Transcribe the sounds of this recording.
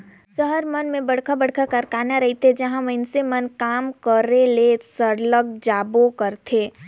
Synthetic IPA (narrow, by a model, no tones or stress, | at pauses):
səɦəɾmənmẽbəɽkʰabəɽ̤kʰakəɾkaːnaɾɐɦit̪ʰed͡ʒəɦãməɪnsemənkaːmkəɾelesəɾləɡd͡ʒaːbokəɾt̪ʰeː